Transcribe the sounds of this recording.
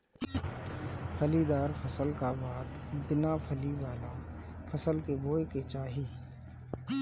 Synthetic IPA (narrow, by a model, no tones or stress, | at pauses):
pʰəlid̪aːɾpʰəsəlkabaːt̪b̪ɪnapʰəliʋaːla | fʰəsəlkeboːeket͡ʃaːɦi